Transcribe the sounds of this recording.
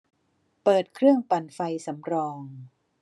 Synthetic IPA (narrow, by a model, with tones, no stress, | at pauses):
pɤː˨˩t̪̚kʰɾɯ˥˩əŋpa˨˩nfa˧jsa˩˦mɾɔː˧ŋ